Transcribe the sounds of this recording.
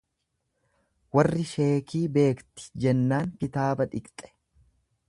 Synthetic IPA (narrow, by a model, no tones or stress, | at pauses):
wɐrːɪʃe̞ːkiːbe̞ːkt̪ɪ̥d͡ʒɛnːaːŋkɪt̪aːbɐᶑɪkt̪ʼɛ̥